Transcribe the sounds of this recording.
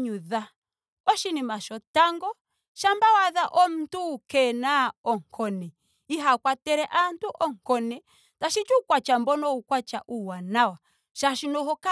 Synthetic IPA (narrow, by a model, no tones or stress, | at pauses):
ɲuða | ɔʃinimaʃɔtaŋɡɔ | ʃambawaðaʔɔm̩tukɛnaɔŋkʰɔnɛ | iɦakwatɛɾɛʔantuʔɔŋkɔnɛ | taʃit͡ʃukwat͡ʃambɔnɔukwat͡ʃaʔuwanawa | ʃaʃinɔhɔka